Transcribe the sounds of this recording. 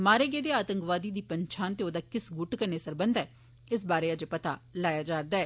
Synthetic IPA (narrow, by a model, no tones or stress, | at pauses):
maːɾeːɡeːd̪eːaːt̪əŋkʋaːd̪iːd̪iːpəɲt͡ʃʰaːnt̪eːoːd̪aːkɪsɡʊʈkəɾneːsəɾbənd̪ɛː | ɪs̬baːɾeːəd͡ʒpət̪aːlaːjaːd͡ʒaːɾd̪aːɛː